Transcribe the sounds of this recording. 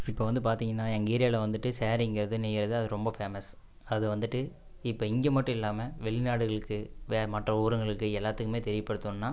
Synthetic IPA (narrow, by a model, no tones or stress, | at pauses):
ɪpːoːʋɐnd̪ɯpaːɾt̪iːŋɡɐnːaːɛŋɡiːɾɪjaːlɐʋɐnd̪ɯʈːɯseːɾɪŋɡɪɾɐðɯnɛjɪɾɐðɯɐðɯɾɔmbɐfeːmɐs | ɐðɯʋɐnd̪ɯʈːɯ | ɪpːoːɪŋɡemɐʈːɯ̃ɪlːaːmɐʋɛɭɪnaːɽɯɣɐɭɯkːɯʋeːmɐʈrɐuːɾɯŋɡɐɭɯkːɯɛlːaːt̪ːɯkːɯmeːt̪ɛɾɪʋɐpːɐɽɯt̪ːunnːaː